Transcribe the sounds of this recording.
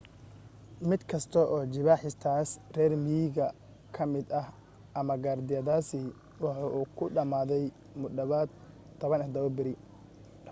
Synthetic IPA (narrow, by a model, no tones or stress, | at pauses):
mɪd̪kʰɐst̪ʰɔʔɔːt͡ʃɪβaːħɪst̪ʰaːsrɛːrmiɣɐ | kʰɐmɪd̪ɐh | ʔɐmɐɡaːrd̪ɪjɐðaːsiː | wɑħɑːʔuːkʰʊɖɐmaːðɛj | mʊd̪ɐβaːd̪ | t̪ʰːɐβɐnɛd̪ɐβɔbɪɾɪ